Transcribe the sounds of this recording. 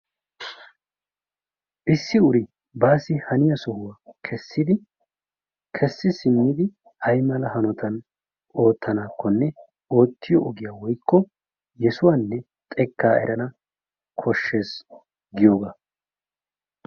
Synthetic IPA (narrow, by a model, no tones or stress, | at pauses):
ʔɪsːɪʊɾɪ | baːsɪhɐnɪjɐsɔhʊwakʰɛsːɪd̪ɪ | kʰɛsːɪsɪmːɪd̪ɪ | hɐjmɐlɐhɐnɔt̪ʰɐn | o̞ːt̪ʰːɐnaːkːɔnːɛ | o̞ːt̪ːɪjɔːɡɪjaːwɔjkːɔ | jɛsʊwaːnːɛ | t̪ʼɛkːaːɛ̰ɾʔɐnɐ | kʰɔʃːe̞ːs | ɡɪjoːɡa